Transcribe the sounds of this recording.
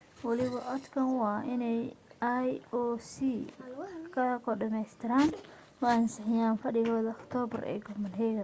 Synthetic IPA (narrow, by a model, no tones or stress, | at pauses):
wɑlɪβɐʔɔd̪kʰɐnwɑːɪnɛjajɔːsiː | kʰɐkʰɔɖɐmɛjst̪ʰɪɾaːn | wɑːɐnsɪħɪjaːnfɐɖɪɣɔːðɐɔkt̪ʰɔːbɐrʔɛ̰ːɡɔmɐnɦɛɣɐ